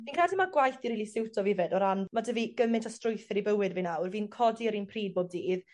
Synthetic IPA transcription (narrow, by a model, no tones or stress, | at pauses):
iːnkʰradɪmaɡwajθiɾiːlˠisɪwtʰɔvɪvɛdɔɾanmadəviɡ̥əmɪntʰɔstrʊjθɪɾibəwɪdvinawrviːnkʰɔdiəɾinpʰriːd̚boːb̚diːð